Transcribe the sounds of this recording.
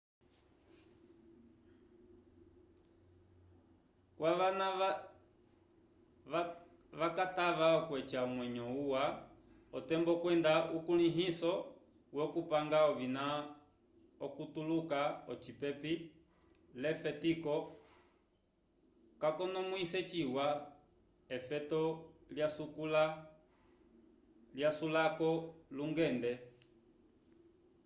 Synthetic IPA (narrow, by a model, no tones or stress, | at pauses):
kwaʋana | ʋakataʋaɔkwɛt͡ʃaɔmwɛɲɔuwa | ɔtɛmbɔkwɛndaʔukuliɦisɔ | wɔkupaŋɡaɔvina | ɔkutulukaɔt͡ʃipɛpi | lɛfɛtikɔ | kakɔnɔmuisɛt͡ʃiwa | ɛfɛtɔljasukula | ljasulakɔluŋɡɛndɛ